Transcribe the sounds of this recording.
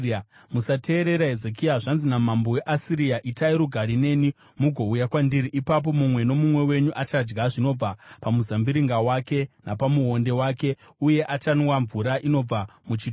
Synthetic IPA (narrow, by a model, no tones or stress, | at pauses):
musate̞ːɾe̞ɾaɦezekiaʐanzinamambowe̞ʔasiɾijaʔitaiɾuɡʱaɾine̞ni | muɡʱo̞ujakwandiɾiʔipap̬o̞mumwe̞no̞mumwe̞we̞ɲuʔat͡ʃad͡ʒɡaʐino̞b͡vapamuzambiɾiŋɡawake̞napamuɦo̞nde̞waːke̞ | uje̞ʔat͡ʃanwaɱvuɾaʔino̞b͡vamut͡ʃit